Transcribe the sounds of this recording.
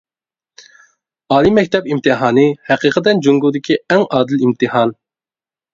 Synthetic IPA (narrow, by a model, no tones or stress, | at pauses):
ɑːlˠimːɛk̚ʲt̪ʰɛpimt̪ʰɨɦɑːnɨhæqiːqʰət̪ɛnd͡ʒuŋɡud̪ɪkʲʰiɛŋʔɑːd̪ɨlimt̪ɨhɑn